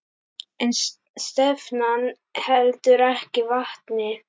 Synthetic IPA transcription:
ɛn | st̪ɛvnan | hɛlt̪ʏɾɛhcɪvaht̪nɪ

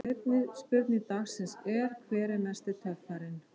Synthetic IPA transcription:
ejt̪nɪspʏɾt̪nit̪axsɪnsɛɾ̥kʰvɛːɾɪnast̪ɪt̪ʰœft̪aɾɪn

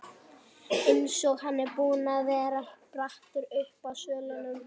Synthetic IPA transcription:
ensɔɣhanːɛɾpuːnaðvɛːɾapɾaht̪ʏɾʏhpawsœːlanʏm

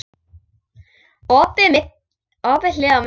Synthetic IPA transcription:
ɔːpɪmɪt̪ | ɔːpɪlɪːɣam

